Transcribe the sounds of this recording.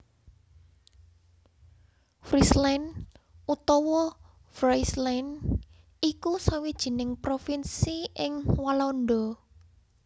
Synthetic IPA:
fɾislanut̪ɔwɔ | fɾajslan | ikusawid̥ʒ̥i̤nɪŋpɾofinsiɪŋwalɔnd̪ɔ

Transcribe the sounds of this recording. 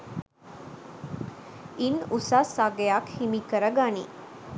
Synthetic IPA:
inusasaɡejakhimikəɾəɡanḭ

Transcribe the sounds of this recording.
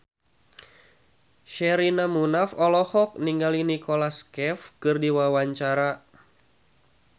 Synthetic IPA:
ʃɛɾinamunafɔlɔhɔk̚niŋɡalinikɔlaskɛfkɨrdiwawaɲt͡ʃaɾa

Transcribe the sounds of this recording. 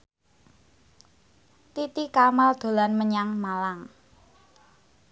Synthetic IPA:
t̪it̪ikamald̪̥o̤lanməɲaŋmalaŋ

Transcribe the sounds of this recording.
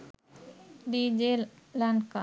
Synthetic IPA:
d̪id͡ʒelanka

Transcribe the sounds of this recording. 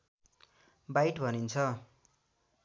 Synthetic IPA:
bajʈbʱʌnint͡sʰʌ

